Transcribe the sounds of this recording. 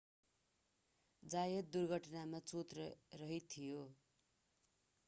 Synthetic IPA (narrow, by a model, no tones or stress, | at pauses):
d͡zajʌt̪̚d̪urɡʱʌʈʌnamat͡sut̪rʌrʌɦit̪ʰijo